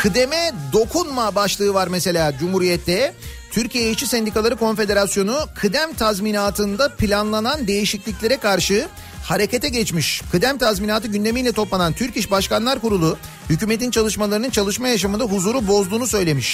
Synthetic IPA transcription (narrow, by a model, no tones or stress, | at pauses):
kʰɯd̪e̞mɛd̪o̞kʰunmabaʃlˠɯːvaɾmese̞lʲaːd͡ʒumhuɾijɛt̪ʰːɛ | t̪ʰyɾcijejt͡ʃʰisɛnd̪ikalˠaɾɯko̞nfe̞d̪e̞ɾasjo̞nukʰɯd̪æmt̪ʰazminaːt̪ʰɯnd̪apʰilʲanlˠanand̪e̞jiʃiclʲicʲlʲe̞ɾɛkʰaɾʃɯ | haɾe̞cet̪ʰɛɟɛt͡ʃmiʃkʰɯd̪æmt̪ʰazminaːt̪ɯɟynd̪e̞mijlʲɛt̪ʰo̞plˠanant̪ʰyɾciʃbaʃkanlˠaɾkuɾulˠu | hycyːmet̪int͡ʃʰalˠɯʃmalˠaɾɯnɯnt͡ʃʰalˠɯʃmajaʃ̬amɯnd̪aɦuzuːɾubo̞zd̪uːnusø̞jlʲe̞miʃ